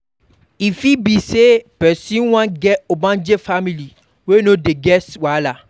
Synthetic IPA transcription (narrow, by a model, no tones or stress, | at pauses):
ifibisepɛsĩwãnɡɛobãnd͡ʒefamĩli | wenõdeɡɛswala